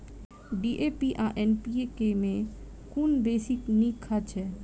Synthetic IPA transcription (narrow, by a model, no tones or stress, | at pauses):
ɖiʔepiʔaʔenpiekemẽ | kunbeːsiknĩkʰːat͡ʃʰɛː